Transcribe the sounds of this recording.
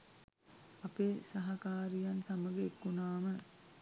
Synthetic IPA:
ɐpeːsaɦakaːɾijansaməɡəekːunaːmə

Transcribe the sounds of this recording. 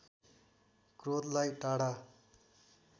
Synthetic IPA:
krod̪lajʈaɽa

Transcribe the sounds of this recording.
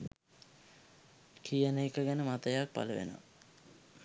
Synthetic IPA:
kʰijənəikəɡænəmat̪əjak̚pa̰ləʋḛno̰a̰

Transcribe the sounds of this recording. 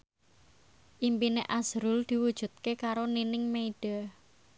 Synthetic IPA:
ʔimpineʔaz̥ɾʊld̪̥i̤wud̥ʒ̥ṳt̪̚kekaɾoninɪŋmeiɖ̥a̤

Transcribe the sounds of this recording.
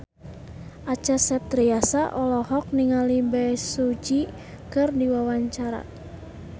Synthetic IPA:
ʔat͡ʃasɛp̚t̪ɾiasaʔɔlɔɦɔk̚niŋalibɛjsud͡ʒi | kɨrdiwawaɲt͡ʃaɾa̰

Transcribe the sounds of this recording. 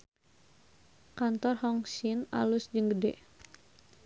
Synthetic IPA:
kant̪ɔrhɔŋsina̰lusd͡ʒəŋɡədɛ̰

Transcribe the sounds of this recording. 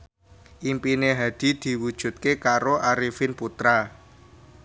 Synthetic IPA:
ʔimpineɦad̪̥i̤d̪̥i̤wud̥ʒ̥ṳt̪̚kekaɾoʔaɾifɪnput̪ɾa

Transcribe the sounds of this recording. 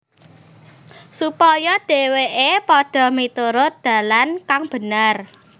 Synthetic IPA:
supɔjɔɖ̥e̤weʔepɔɖ̥ɔ̤mit̪uɾʊt̪̚d̪̥ä̤lankaŋb̥ə̤nər

